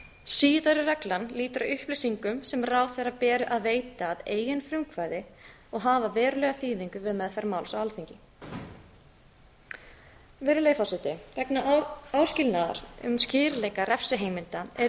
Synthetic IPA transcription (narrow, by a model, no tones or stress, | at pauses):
siːðaɾɪrɛklanliːt̪ʏɾaʏhplejsiŋkʏmsɛmraːwθejrapɛːɾʏʔaðveːjt̪aːðeːjɪnfɾʏŋkvaːjðɪ | ɔɣɦaːvavɛːɾʏlɛɣaθiːðiŋkʏvɪðmɛðθaɾmawlsawalθiɲcɪ | vɪɾɪlejfasɪt̪ɪvɛknaawscɪlnaða̰ɾʏ̰mscɪːɾleːjkaɾɛfsɪɦeːjmɪlt̪aɛɾ